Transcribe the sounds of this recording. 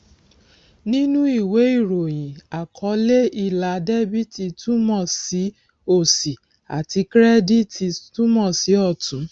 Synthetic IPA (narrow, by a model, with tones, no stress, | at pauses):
nĩ˦nũ˦i˦˨we˨˦i˦˨ɾo˨j̃ĩ˨a˨kʰɔ˨˧˦le˦i˦˨la˨˧de˦bi˦ti˧tũ˦mɔ̃˦˨si˨˦ | o˦˨si˨ | a̰˨ti˧˦kɾɛ˦di˦ti˧tũ˦mɔ̃˦˨si˨˦ɔ˦˨tũ˨˦